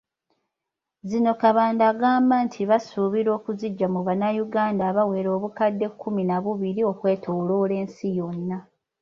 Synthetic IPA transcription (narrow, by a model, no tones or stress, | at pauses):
zino̞kaβaːndaːɡaːmbantʰiβasuβiɾo̞ːkuziɟːamuβanajuɡaːndaːβawe̞ːɾo̞ːβukadːe̞kʰːuminaβuβiɾio̞kwe̞ːtʰoːloːle̞ːnsijo̞nːa